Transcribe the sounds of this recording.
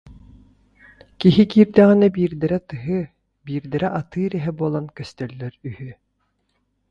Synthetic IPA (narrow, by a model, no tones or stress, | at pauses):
kiɦikiːɾd̪ɛʁinɛbiːɾd̪ɛɾɛt̪ɯɦɯ | biːɾd̪ɛɾɛʔat̪ɯːɾɛɦɛbuɔlˠankœst̪œlːœɾyhy